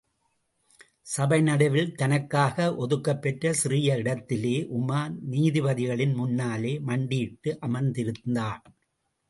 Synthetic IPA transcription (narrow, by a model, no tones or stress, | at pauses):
sɐbɐɪnɐɽɐʋɪlt̪ɐnɐkːaːɣɐʔɔðɯkːɐpːɛʈrɐsɪɾɪjɐɪɽɐt̪ːɪleːʔʊmaːniːðɪʋɐðɪɣɐɭɪnmʊnːaːleːmɐɳɖiːʈːɯʔɐmɐnd̪ɪɾɯnd̪aː